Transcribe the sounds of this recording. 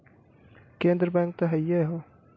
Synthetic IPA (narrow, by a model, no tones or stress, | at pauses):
kẽːnd̪ɾbaŋk̚t̪ɐɦɐjɐɦo